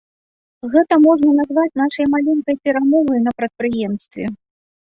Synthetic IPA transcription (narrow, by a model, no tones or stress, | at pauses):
ɣɛt̪ɐmɔʐnɐnazvat͡sʲn̪aʂɐjmalʲɛnkɐjpʲɛɾamɔvɐjnɐpɾɐt̪̚pɾɨjɛmst̪vʲɛ